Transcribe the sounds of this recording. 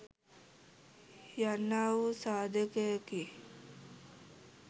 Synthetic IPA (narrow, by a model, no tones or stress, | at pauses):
janːaːʋusaːd̪əkejəki